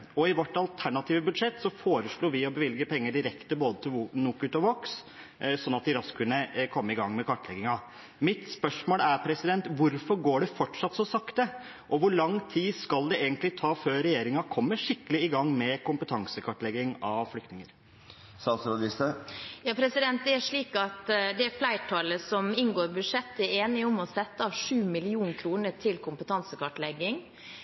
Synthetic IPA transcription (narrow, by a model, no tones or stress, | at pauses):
ɔɪʋɔʈːɑlt̪ʰæɳɑt̪ʰiːʋəbʉd̪ʂɛt̪ːsɔfoːɾəʂɭuːɾʋɪɔbəʋɪlɡəpʰɛŋːəɖɪɾɛkt̪əboːd̪ət̪ʰɪlnukʉt̪ɔʋoks | sɔnːɑt̪̚d̪ɪɾɑskkʰʉnːəkʰɔmːəɪɡɑŋːmɛkʰɑʈːlɛɡɪŋɑ | mɪt̪spœʂmoːlæɾpʰɾɛsɪd̪ɛnt̪ʋʊɾfɔɾɡoːɖɛfɔʈʂɑt̪ːsɔsɑkt̪ə | ʔɔʋʊɭɑŋːt̪ʰiːskɑld̪ɛeːɡənt̪lɪt̪ʰɑːføːɾɛjeːɾɪŋɑkʰɔmːəʂɪkːəlɪɪɡɑŋːmɛkʊmpət̪ʰɑŋsəkʰɑʈːlɛɡːɪŋɑʋflʏkt̪nɪŋəɾ | sɑnsɾɔɡ̪ɪst̪əjɑːpʰɾɛsɪd̪ɛnt̪̚d̪ɛæʂɭiːkɑt̪d̪ɛæɾflæɪʈʰɑləsɔmɪŋɡoːɾbʉd̪ʂɛt̪ːəeːnɪɔmɔsɛt̪ːəɑʋʂʉːmɪlɪuːnkʰɾuːnət̪ʰɪlkʰʊmpət̪ʰɑŋsəkɑʈlɛɡɪŋ